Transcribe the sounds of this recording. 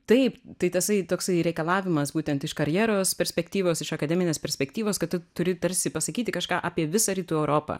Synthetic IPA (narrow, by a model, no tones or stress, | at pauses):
t̪ɐɪpt̪ɐɪt̪ʲɐsɐɪt̪oːksɐɪɾʲɛɪkɐlˠɑːʋʲɪmɐsbuːt̪ʲɛnt̪ɪʃkɐɾʲjɛːɾoːspʲɛɾʲsʲpʲɛkt̪ʲiːʋoːsɪʃɐkɐd̪ʲɛːmʲɪnʲeːspʲɛɾʲsʲpʲɛkt̪ʲiːʋoːskɐt̪tʊt̪ʊɾʲɪt̪ɐɾʲsʲɪpɐsɐkʲiːtʲɪkɐʃkɑːʔaːpʲiɛʋʲɪsɐːɾʲiːt̪uːɛʊɾoːpɑ̰